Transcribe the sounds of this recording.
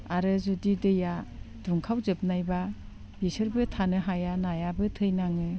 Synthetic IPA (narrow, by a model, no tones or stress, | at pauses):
aɾɯzudidɯja | d̥uŋkʰawzɯp̚najba | bisɯɾbɯtʰanɯɦajanajabɯtʰɯjnaŋɯ